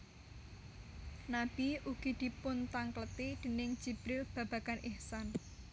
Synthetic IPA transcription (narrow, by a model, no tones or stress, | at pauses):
nab̥iʔuɡ̥i̤d̪̥i̤pʊnt̪aŋklət̪id̪̥ə̤nɪŋ̥d͡ʒ̥i̤b̥ɾɪlb̥a̤b̥a̤kanʔɪhsan